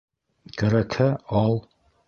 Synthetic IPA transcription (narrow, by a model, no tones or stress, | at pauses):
kæɾækhæɑlˠ